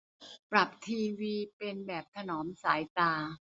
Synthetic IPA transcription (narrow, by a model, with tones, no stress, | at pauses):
pɾa˨˩p̚t̪ʰiː˧wiː˧pe˧nbɛː˨˩p̚t̪ʰa˧nɔː˩˦msaː˩˦jt̪aː˧